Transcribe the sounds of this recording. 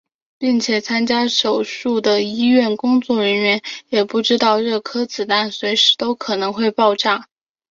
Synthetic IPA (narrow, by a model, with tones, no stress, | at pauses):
pi˥˩ŋt͡ɕʰjɛ˨˩t͡sʰa˥nt͡ɕja˥ʂo˨˩ʊʂu˥˩d̪ə˩i˥ɥɛ˥˩nkʊ˥ŋt͡swɔ˥˩ɻə˧˥nɥɛ˧˥njɛ˨˩pu˥˩ʈ͡ʂɻ̩˥t̪ɑ˥˧ʊɻɤ˥˩kʰɤ˥t͡sɹ̩˨˩t̪a˥˩nswe˧˥ɪʂɻ̩˧˥t̪o˥ʊkʰɤ˨˩nɤ˧˥ŋxwe˥˧ɪpɑ˥˧ʊʈ͡ʂa˥˩